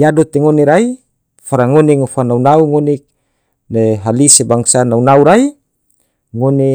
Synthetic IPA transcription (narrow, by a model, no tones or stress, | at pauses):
jadot̪eŋoneɾai | faɾaŋoneŋofanaunauŋonik̚ | leɦalisebaŋsanaunauɾai | ŋone